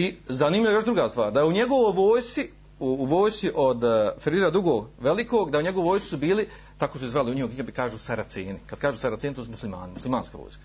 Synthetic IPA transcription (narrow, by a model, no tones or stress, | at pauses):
izaniːmʎʲiaejo̞ʒd̪ɾuɡaːst̪ʋa̰ːɾd̪ajeuɲeɡoʋojʋoːjsi | uːʋoːjst̪iʔo̞d̪feɾiɾad̪ɾuɡoːɡʋelikoːɡd̪auɲe̞ɡooʋojsi̥subiːli | t̪akosuizʋaliuɲihuɡiɡabikaːʒuːsaɾat̪sḛːnikad̪̚kaːʒuːsaɾat̪seːnt̪uzmuslima̰ːnɪmuslimaːnska̰ʋo̰ːjskḁ